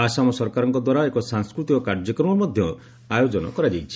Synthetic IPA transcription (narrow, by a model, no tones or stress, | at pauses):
asamɔsɔɾkaɾɔŋkɔd̪waɾaekɔsaŋskɾut̪ikɔkaɾd͡ʒɔkɾɔmɔmɔd̪ʱjɔ | ajod͡ʒɔnɔ̰kɔɾad͡ʒajt͡ʃʰi̥